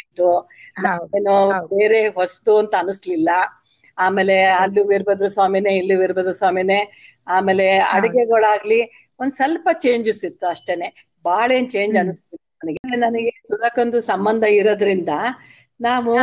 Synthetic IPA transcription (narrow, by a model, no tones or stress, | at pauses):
d̪unaːeːnube̞ːɾe̞ɦost̪uɐnt̪ɐɐnuslilːɐ | aːme̞ːle̞ɐlːuʋiɾbɐd̪ɾusaːmineilːuʋiɾbɐd̪ɾusaːmine̞ | aːme̞ːle̞ɐ̰ɽiɡeɡɐɭaːɡli | ond̪usɐlpɐt͡ʃe̞ːɲd͡ʒisit̪ːuɐʂʈe̞ne̞ | baːɭeːnt͡ʃe̞ːɲd͡ʒɐnuslilːɐnɐnɐɡelenɐnɐɡe̞sud̪ɐkɐnd̪usɐmbɐnd̪ʱɐiɾɐd̪ɐɾind̪ɐ | naːʋu